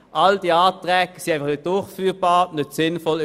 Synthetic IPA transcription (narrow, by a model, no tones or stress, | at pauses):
ʔald̥iaːtʁɛɡəsiaɪfɑχnət̚d̥ʊɐχfyːbɑːnøtsɪnfɔl